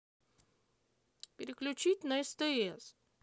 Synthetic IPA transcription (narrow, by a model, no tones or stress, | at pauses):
pʲɪɾʲɪklʲʉt͡ɕitʲnəɛst̪əɛs